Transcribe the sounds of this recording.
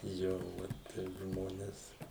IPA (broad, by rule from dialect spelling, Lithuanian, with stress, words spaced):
ˈjoː ˈʋɐt ˈtʲɛɪp ˈʒmoːnʲɛs